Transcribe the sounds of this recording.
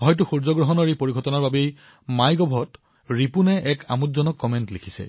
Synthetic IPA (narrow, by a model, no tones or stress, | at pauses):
ɦɔjtuxuɹzɔɡɹɔɦɔnɔɹipoɹiɡʱɔtɔnaɹbabej | majɡɔbʱɔt | ɹipunɛʔɛkʰa̰mutzɔnɔkːɔmɛntlikʰisɛ̰